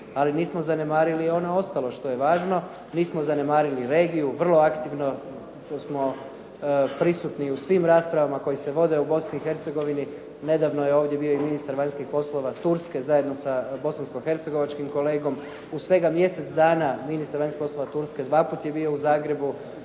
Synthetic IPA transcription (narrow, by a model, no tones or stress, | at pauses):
aliniːsmo̞zane̞maːɾilio̞noo̞st̪alo̞ʃt̪o̞jeʋaːʒno̞ | niːsmo̞zane̞maːɾiliɾe̞ːɡijuʋr̩lˠo̞akt̪iʋno̞ | smo̞ | pɾisut̪niusʋimɾaːspɾaʋamako̞jiseʋo̞d̪e̞ubo̞sniixe̞ɾt̪se̞ɡo̞ʋini | ne̞d̪aʋnojeo̞ːʋd̪je̞biːo̞iminist̪aɾʋaɲskixpo̞slˠo̞ʋat̪uɾske̞zaje̞d̪no̞sabo̞sansko̞xe̞ɾt̪se̞ɡo̞ʋat͡ʃkimko̞le̞ːɡo̞m | usʋe̞ɡamje̞se̞t̪sd̪aːnaminist̪aɾʋaɲski̥po̞slˠoʋat̪uɾske̞d̪ʋaːpuːt̪je̞bio̞uzaːɡɾe̞bu